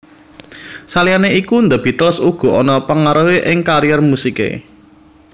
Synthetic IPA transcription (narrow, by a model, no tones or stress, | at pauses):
salianeikund̪əb̥i̤t̪əlsuɡ̥ɔ̤ʔɔnɔpəŋaɾuweʔɪŋkaɾijɛrmusikḛ